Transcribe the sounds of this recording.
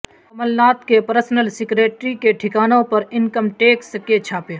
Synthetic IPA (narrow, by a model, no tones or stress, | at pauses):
ɐməlnaːt̪kepəɾsnəlsɪkɾeːʈɾikeʈʰɪkaːnõpɐɾɪnkəmʈeːksket͡ʃʰaːpeː